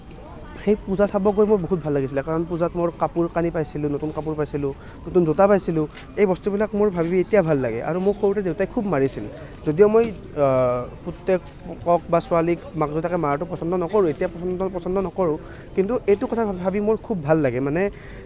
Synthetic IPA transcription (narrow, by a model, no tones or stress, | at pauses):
xejpuzasabɔk̬ojmojboɦut̚bʱalːaɡisilɛkaɹɔnpuzatmoɹkapuɹkanipajsilʊ̃notunkapuɹpajsilʊ̃ | notunzotapajsilʊ̃ | ejbɔstubilakmoɹbʱabibietijabʱalːaɡɛ̰ʔa̰ɹumʊɹxoɹutɛdewtajkʰubmaɹisil | zodijomoj | putːɛk | ɔkɔk̚basʊalikmakzɔtakɛmaɹatʊpɔsɔndɔnɔkoɹʊ̃etijapɔsɔndɔpɔsɔndɔnɔkɔɹʊ̃ | kintuʔejtʊkɔtʰabʱabimoɹkʰubːʱalːaɡɛmanɛ